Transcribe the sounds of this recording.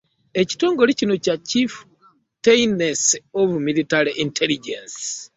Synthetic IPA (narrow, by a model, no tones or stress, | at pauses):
e̞ci̥to̞ːŋɡo̞ɾicino̞cacif | tejnesoβumilitaɾiʔintʰeliɟens